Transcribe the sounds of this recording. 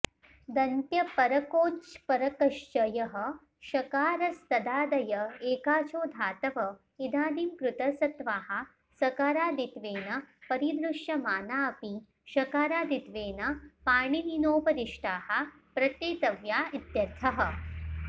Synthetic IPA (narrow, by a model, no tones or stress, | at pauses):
d̪ɐnt̪jɐpɐɾɐkoːt͡ʃpɐɾɐkɐʃt͡ʃɐjɐɦɐ̆ | ʃɐkaːɾɐst̪ɐd̪aːd̪ɐjɐeːkaːt͡ʃoːd̪ʱaːt̪ɐʋɐ | id̪ʱaːd̪imkɾut̪ɐsɐt̪ʋaːɦɐ̆ | sɐkaːɾaːd̪it̪ʋeːnɐpɐɾid̪ɾuʃjɐmaːnaːɐpi | ʃɐkaːɾaːd̪it̪ʋeːnɐpaːɳininoːpɐɾiʂʈaːhɐ̆ | pɾɐt̪eːt̪ɐʋjaːid̪jɐɾt̪ʰɐɦɐ̆